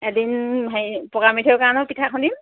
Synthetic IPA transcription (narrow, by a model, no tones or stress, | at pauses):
ɛdinɦejpɔɡamitʰɛʊkanɔpitʰakʰɔndim